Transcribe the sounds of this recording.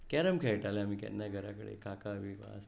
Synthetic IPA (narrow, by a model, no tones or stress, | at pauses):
kɛɾəmkʰɛjʈaleamiːkɛ̰nːaɡʱəɾakəɽḛkakaəʋiʋʋa̰s